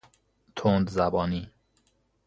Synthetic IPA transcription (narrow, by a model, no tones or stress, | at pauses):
t̪ʰond̪zæbɒːniː